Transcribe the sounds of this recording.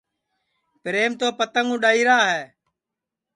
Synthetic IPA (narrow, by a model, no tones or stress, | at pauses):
pɾeːmt̪oːpət̪əŋũːɗaːiːɾaːɦɛː